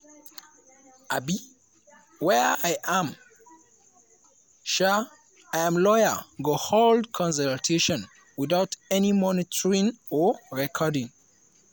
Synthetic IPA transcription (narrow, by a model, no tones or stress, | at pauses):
abi | wɛajʔãm | ʃa | ajãmlɔjə̰ɡoholdkʰɔ̃ns̬əltʰeʃɔ̃n | wiðaʊtɛnimɔnitʰɔɹĩŋɔɹɛkʰɔdĩŋ